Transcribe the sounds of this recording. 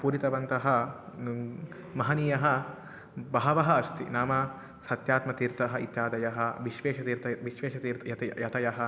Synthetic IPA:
puːɾit̪ɐʋɐnt̪ɐɦɐ̆ | mɐɦɐnijɐɦɐ̆ | bɐɦɐʋɐɦɐɐst̪ḭnaːmɐ | sɐt̪jaːt̪mɐt̪iːɾt̪ɐɦɐit̪jaːd̪ɐjɐɦɐ̆ʋiʃʋeːʃɐt̪iːɾt̪ɐʋiʃʋeːʃɐt̪iːɾt̪ɐjɐt̪ɐjɐt̪ɐjɐɦɐ̆

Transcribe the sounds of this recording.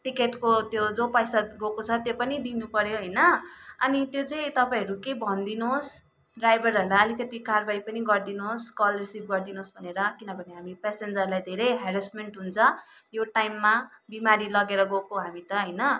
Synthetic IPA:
ʈikeʈkot̪jod͡zopʌjsaɡokot͡sʰʌt̪jopʌnid̪inupʌɾjoɦʌjnʌʌ̰nit̪jot͡sʌĩt̪ʌpaĩʌɾukebʱʌnd̪inos | ɖrajbʌɾɦʌrlaʌlikʌt̪ikarbajpʌniɡʌrd̪inoskʌlrisib̚ɡʌrd̪inosbʱʌneɾʌkinʌbʱʌneɦamipesend͡zʌrlajd̪ʱeɾejɦaɾismeɳʈɦunt͡sʰʌ | joʈajmːabimaɾilʌɡeɾʌɡokoɦamit̪ʌɦʌjnʌ

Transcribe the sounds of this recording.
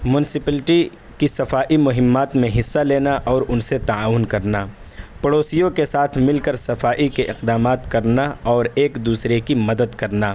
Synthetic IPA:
mʊnɪsɪpəlʈi | kisɐfaːʔimʊɦɪmːaːt̪mẽɦɪsːaleːnaʔɔːɾʊnset̪aaːʋʊnkɐɾna | pəɽoːsijõkesaːt̪ʰmɪlkɐɾsɐfaːʔikeʔɪqd̪aːmaːt̪kɐɾnaɔːɾeːkd̪uːsɾekimɐd̪əd̪kɐɾnaː

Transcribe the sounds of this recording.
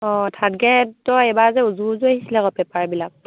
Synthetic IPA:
ɔ̃tʰadɡɛtːɔejbazɛuzuzuahisilɛɡɔpɛpaɹbilak̚

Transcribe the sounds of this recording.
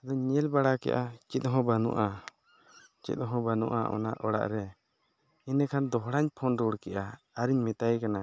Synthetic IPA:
ad̪ɔɲɛlbaɽakɛ̰ʔat͡ʃit̪̚ɦɔ̃banṵʔa | t͡ʃḭt̪̚ˀɦɔ̃banṵʔaʔɔ̰naʔʔɔɽa̰ʔɾɛ | inɛkʰand̪ɔɦɽaɲpʰɔnɾuɽkɛʔaː | ɾiɲmɛt̪ajkana

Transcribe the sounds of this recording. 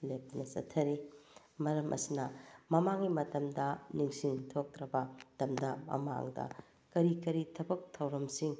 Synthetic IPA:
lek̚tɐnɐsɐ̰tʰːɐɾi | mɐɾɐmʔɐ̰sinɐmɐmaŋimɐtɐmdɐniŋsiŋtʰok̚tɾɐbɐtɐmdɐmɐ̰ma̰ŋdɐ̰ | kɐɾikɐɾitʰɐbɐk̚tʰɐwɾɐmsiŋ

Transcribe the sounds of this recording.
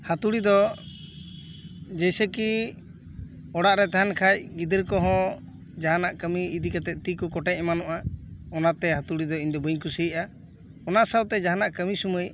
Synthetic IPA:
hat̪uɽid̪ɔ | d͡ʒɛjsəki | ɔɽaʔɾɛt̪aɦankʰac̚ɡid̪əɾkɔɦɔ̃ | d͡ʒaɦanaʔkəmiːd̪ikat̪ɛt̪̚ˀt̪ikɔkɔʈɛcɛmanɔʔaɔnat̪ɛhat̪uɽid̪ɔiɲd̪ɔbəɲkusəʔa | ɔnaʔsəwt̪ɛd͡ʒaɦanaʔkəmisuməj

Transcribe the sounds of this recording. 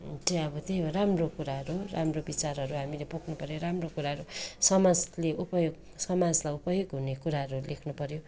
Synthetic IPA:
t̪eʌbʌt̪ejoɾamrokuɾaɦʌɾuramrobit͡sarɦʌɾuɦamilepukʰnupʌɾjoɾamrokuɾaɦʌɾusʌmad͡zleupʌjoɡ | sʌmad͡zlajupʌjoɡɦunekuɾaɦʌɾulekʰnupʌɾjo

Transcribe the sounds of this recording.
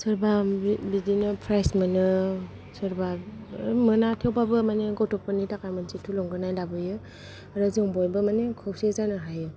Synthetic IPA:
sɯɾbabidinɯpʰɾajsmɯnɯ | sɯɾba | mɯnatʰewpabɯmaneɡɔtʰɔpːɯnitakajmɯnsitʰulɔŋɡɯnajlabɯjɯ | ɾɯzɯŋbɔjbɯmanekʰɯwsezanɯɦajɯ

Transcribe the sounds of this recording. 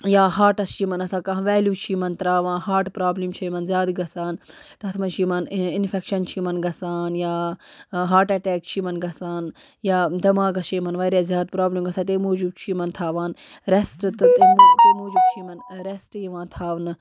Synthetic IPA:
jaːɦaːʈɐst͡ʃʰiːmɐnɐsãːkɐ̃ɦʋeːlʲjuːt͡ʃʰiːmɐnt̪ɾaːʋãːnhaːʈpɾaːblimt͡ʃʰɐjmɐnzʲjaːd̪ɡɐsaːn | t̪ɐt̪ʰmɐnt͡ʃʰiːmɐninfekʃɐnt͡ʃʰiːmɐnɡɐsaːnjaːɦaːʈɐʈeːk̚t͡ʃʰimɐnɡɐsaːn | jaːd̪ɐmãːɡɐst͡ʃʰiːmɐnʋɐːɾaːzjaːd̪̚pɾaːblimɡɐsaːt̪emoːd͡ʒubt͡ʃʰiːmɐnt̪ʰaːʋaːn | ɾesʈt̪ɨt̪emot̪emoːd͡ʒubt͡ʃʰiːmɐnɾesʈjiʋãːt̪ʰaːʋnɨ

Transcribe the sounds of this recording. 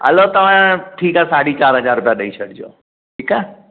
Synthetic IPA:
ə̰lot̪əʋãʈʰiːkasaɽit͡ʃaːɾɦəd͡ʒaɾːʊpjaɗəit͡ʃʰəɽd͡ʒo̰ː | ʈʰiːka

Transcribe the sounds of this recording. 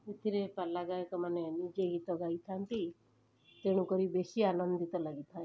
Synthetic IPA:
et̪ʰiɾepalaɡaekɔmanenid͡ʒeɡit̪ɔɡait̪ʰant̪i | t̪eɽ̃ukɔɾibesianɔnd̪it̪ɔlaɡit̪ʰae

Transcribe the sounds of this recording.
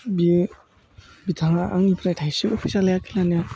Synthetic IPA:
bi | bit̪ʰaŋaʔa̰ŋipʰɾajtʰajsikɔpʰisaɾlajakʰilanija

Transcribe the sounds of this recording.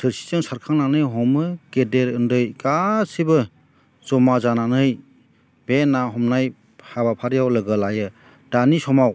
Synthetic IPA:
dʰɯɾsi̥zɯŋsaɾkʰaŋnanɯjɦɔmɯkedeɾɯndɯjɡasibɯ | zɔmazananɯj | benaɦɔmnaj | habapʰaɾjawlɯɡɯlajɯ | d̥anisɔmaw

